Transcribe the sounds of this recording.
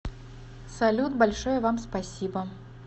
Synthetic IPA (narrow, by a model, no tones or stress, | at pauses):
salʲut̪balʲʂɔjɐvamspasʲibɐ